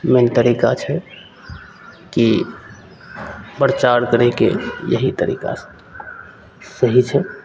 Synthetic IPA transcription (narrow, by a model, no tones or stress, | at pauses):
ment̪əɾikat͡ʃʰɛ | ki | bəɾt͡ʃaɽkəɾekḛjə̰ɦit̪əɾḭka̰s | səɦit͡ʃʰɛ